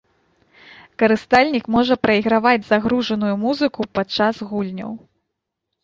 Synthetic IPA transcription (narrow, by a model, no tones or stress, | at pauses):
kɐɾɨst̪alʲnʲikmɔʐɐpɾɐiɣɾavad͡zʲzaɣɾuʐɐnujumuzɨkupat͡ʂazɣulʲnʲɐ̰w